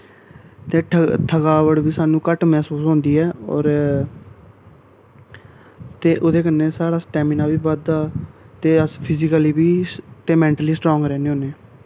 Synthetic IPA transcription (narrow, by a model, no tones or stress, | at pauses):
t̪eːʈʰʈʰəkaːʋəɽbiːsaːnũːkəʈmɛːsuːsɦõːnd̪iːɛːɔ̰ːɾ | t̪eːʔʊd̪eːkənːeːsaːɽaːsʈɛːmɪnaːbiːʋəd̪aːt̪eːəspʰɪzɪkəliːbiːt̪eːmɛ̃ːɳʈəliːsʈɾoːŋɡɾɛːnẽːoːneː